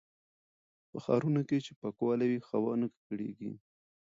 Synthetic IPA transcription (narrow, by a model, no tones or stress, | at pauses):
pəxɑ̰ɾunoket͡ʃepakwɑlawixawɑnəkkɽḛɡḭ